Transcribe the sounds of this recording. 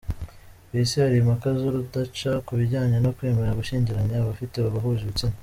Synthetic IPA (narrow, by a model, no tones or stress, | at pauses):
βisiaɾimakazoɾudat͡ʃakuβiɟaːɲenokwe̞ːme̞ɾaɡuʃiːɲɟiɾaɲaβafiteβaβaɦuʒiβit͡sina